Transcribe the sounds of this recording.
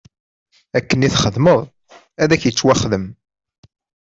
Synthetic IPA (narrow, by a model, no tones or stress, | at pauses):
ækːəniθχəðməðˤ | æðæçjət͡sːwæχðəm